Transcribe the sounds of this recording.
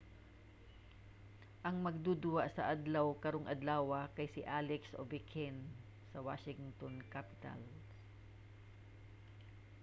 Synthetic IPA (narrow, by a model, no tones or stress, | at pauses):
ʔɐŋmɐɡ̚d̪ud̪ʊwaʔsɐʔad̪lɐwkɐɾoŋʔɐd̪laːwɐkɐjsɪʔalɛksʔovɪkʰɛn | sɐwa̰ʃɪŋt̪onkapɪ̥t̪a̰l